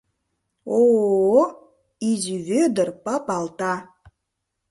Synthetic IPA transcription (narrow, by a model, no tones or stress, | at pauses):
o | iziβød̪ə̆rpɑpɑlt̪ɑ